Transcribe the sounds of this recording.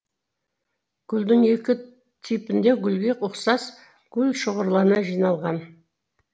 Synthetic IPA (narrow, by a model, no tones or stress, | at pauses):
ɡ̥ʲʰʏld̪ɪŋe̞kʲɪ | t̪ʰipɪnd̪e̞ɡʲʏlbʲekʊqsɑs | ɡ̥ʲʰʏlʃəʁəɾlˠɑɾənɑʒijnɑlˠʁɑn